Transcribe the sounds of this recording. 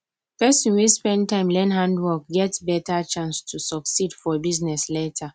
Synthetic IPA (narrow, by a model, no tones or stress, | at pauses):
pɛsĩnwispɛ̃ndtãɪ̃mlɛ̃nɦãndwɔk̚ɡɛtbɛtʰat͡ʃãnstʰusɔksidfɔbiznɛsletʰa